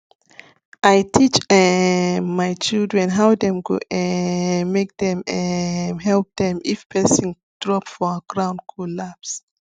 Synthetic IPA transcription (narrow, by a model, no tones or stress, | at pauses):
ʔajtʰit͡ʃɛmajt͡ʃildɹɛ̃nɦawdɛ̃mkṵɛmek̚dɛ̃mɛɦɛlp̚dɛ̃mifpʰɛsĩŋ | d̥ɹɔpfɔəɡ̥ɹãʊ̃ndkʰɔlaps